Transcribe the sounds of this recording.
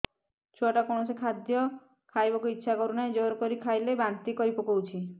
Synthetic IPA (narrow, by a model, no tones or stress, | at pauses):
t͡ʃʰoʈakoɽ̃ɔsekʰad̪jɔ | kʰajbɔkuitːʃʰakɔɾuned͡ʒɔɾkɔɾikʰajlebant̪ikɔɾipɔkɔwt͡ʃʰi